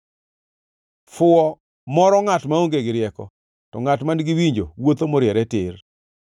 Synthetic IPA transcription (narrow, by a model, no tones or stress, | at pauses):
fʊɔ | mɔɾɔŋatmaoŋɡeɡɪɾɪjɛkɔ̰ | tɔŋatmanɡɪwiɲd͡ʒowot̪omɔɾjɛɾɛtɪr